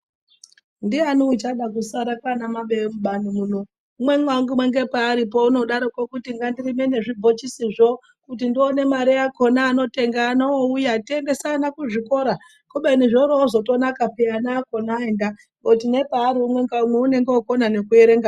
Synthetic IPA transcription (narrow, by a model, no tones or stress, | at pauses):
ndianoit͡ʃaɗak̬usaɾakanamaɓemuɓanomuno | umwe̞ŋwaŋɡumwe̞ŋɡe̞paːɾipo̞uno̞ɗaɾokokutiŋɡandirime̞ne̞ʐib͡vʱot͡ʃisiʐo̞ | kutindione̞maɾejako̞naːno̞te̞ŋɡaːnooujatie̞nde̞sanakuʐiko̞ɾa | kuɓeniʐoɾoːzo̞to̞nakapianaːko̞naenda | ɡotine̞paːɾiumwe̞ŋɡaumweune̞ŋɡeoko̞nane̞kue̞ɾe̞ŋɡa